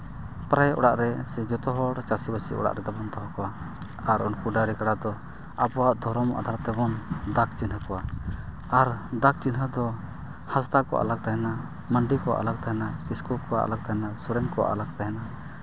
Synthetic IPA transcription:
pɾajɔ̰ɽaʔɾɛsɛd͡ʒɔt̪ɔɦɔɽt͡ʃasibəsiʔɔ̰ɽa̰ʔɾɛd̪abɔnt̪ɔɦɔ̃kɔwa | aɾɔnkuɖaɾikaɽad̪ɔ | apɔwaʔd̪ʱɔɾɔma̰d̪ʱaɾt̪ɛbɔnd̪ak̚t͡ʃinɦakɔwa | aɾd̪ak̚t͡ʃinɦad̪ɔ | hast̪akɔʔa̰lak̚t̪aɦɛna | məɳɖikɔwa̰ʔa̰lak̚t̪aɦɛnakiskup̚kɔwa̰ʔa̰lak̚t̪aɦɛnasɔɾɛŋkɔwa̰ʔa̰lak̚t̪aɦɛna

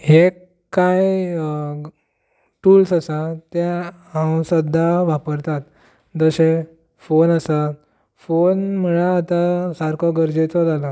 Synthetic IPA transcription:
ɦe | kːaj | ʈuːlsasat̪ja | ɦãwsəd̪ʱːaʋapəɾt̪at̪ | d͡z̪əɕe | fonəsa | fonməɭaːt̪asaɾkʰɔɡəɾd͡ʑet͡sɔd͡zala

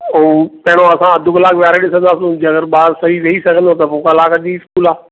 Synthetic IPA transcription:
oːpɐɦɪɽ̃õɐsãɐd̪ʱʊkɐlaːkʋjaːɾeɗɪsə̃nd̪aːsũd͡ʑɐɡəɾɓaːɾsɐɦiʋeisɐɡʱə̃nd̪ot̪ɐmʊ̃ːkaɪlaːkaʄiːɪskuːlaː

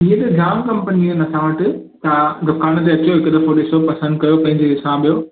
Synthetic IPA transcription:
ĩɦẽt̪ed͡ʑaːmkɐmpəninɐsãʋɐʈɪ | t̪ɐd̪ɐkaːɽ̃t̪̬eɐt͡ɕoɪkd̪ɐfoɗɪsopɐsə̃nd̪kɐjopɐ̃ɦɪɲd͡ʑesãɓijoː

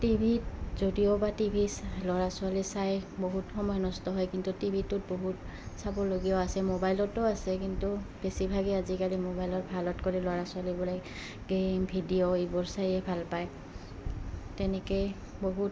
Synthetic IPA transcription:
tibʱitzodiobatibʱislɔɹasʊalisajboɦutxɔmɔjɔnɔstɔɦɔjkintutibʱitʊt̚boɦut | sabɔloɡijɔasɛmobajlɔtʊasɛkintubesibʱaɡiazikalimobajlɔt̚bʱalɔtkoɹilɔɹasʊalibɔla | ɡembʱidioebɔɹsajɛbʱalpaj | tɛnɛke | boɦut

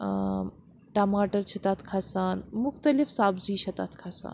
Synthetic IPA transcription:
ʈamaːʈəɾt͡ʃʰɐt̪aːt̪ʰkʰasaːnmʊxt̪ɐlifsaːbd͡ʒiːt͡ʃʰɐt̪at̪ʰkʰasa̰ːn

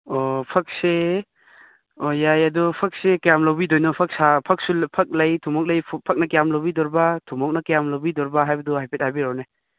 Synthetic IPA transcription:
ɔpʰɐk̚se | ojajɐdɔpʰɐk̚sekjamlowbidojnɔpʰɐk̚sapʰɐk̚supʰɐk̚lɐjtʰumɔk̚lɐjʰpʰɐk̚nɐkjamlowbidɔɾbatʰumɔk̚nɐkjamlowbidɔɾbaɦajbɐduɦajpʰet̚hajbiɾɔwne

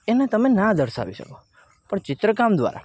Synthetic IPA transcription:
enat̪əmenad̪əɾʃa̰ʋiʃə̰ko | pəɳt͡ʃɪt̪ɾəkamd̪ʋa̰ɾa̰

